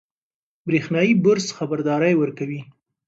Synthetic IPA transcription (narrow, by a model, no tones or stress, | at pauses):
bɾexnɑjibʊɾsxabaɾd̪ɑɾajwəɾkawi